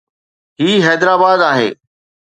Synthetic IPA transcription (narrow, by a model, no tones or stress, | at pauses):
ɦiːɦɛːd̪ɾaːbaːd̪aːɦḛː